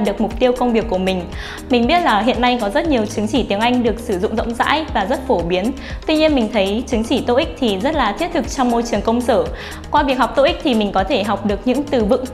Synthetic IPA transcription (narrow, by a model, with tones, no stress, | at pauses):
ɗɨ˨˩ək̚mʊ˨˩k͡p̚t̪i˧əwkə˧wŋ͡mvi˨˩əkːu˧˩əmï˨˩ŋ̟ | mï˨˩ŋ̟ɓi˦˥ət̚laː˨˩ɦḭ˧˨ənːa˧jkɔ˨˦zə˦˥t̚ɲi˨˩əwt͡ɕɨ˨˦ŋt͡ɕi˧˩t̪i˨˦əŋʔa˧jŋ̟ɗɨ˨˩ək̚sɨ˧˩zʊ̰˧˨ŋ͡mzə̰˧˨wŋ͡mza̰ː˧˥jvaː˨˩zə˦˥t̚fo˧˩ɓi˨˦ən | t̪wi˧ɲi˧ənmï˨˩ŋ̟t̪ʰə˨˦jt͡ɕɨ˨˦ŋt͡ɕi˧˩t̪o̰˧˨ʔi˦˥k̟̚t̪ʰi˨˩zə˦˥t̚laː˨˩t̪ʰi˦˥t̪ɨ˨˩k̚t͡ɕɔ˧wŋ͡mmo˧jt͡ɕɨ˨˩əŋkə˧wŋ͡msəː˧˩ | kwaː˧ɓi˨˩əɦa˨˩k͡p̚t̪o˧ʔï˦˥k̚t̪ʰi˨˩mï˨˩ŋ̟kɔ˨˦t̪ʰe˧˩ɦa˨˩wk͡p̚ɗɨ˨˩ək̚ɲɨ̰˧˥ŋt̪ɨ˨˩vɨ̰˧˨ŋ